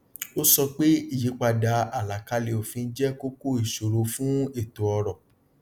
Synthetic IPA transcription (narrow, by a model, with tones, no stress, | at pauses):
o˦sɔ˧k͡pe˦i˦˨ji˨˦k͡pa˧da˨˧˦a˨la˨ka˧le˧o˨fĩ˧n̩˦d͡ʒɛ˦ko˦ko˦i˦˨ʃo˨ɾo˨fũ˦e˦˨to˨ɔ˧ɾɔ˨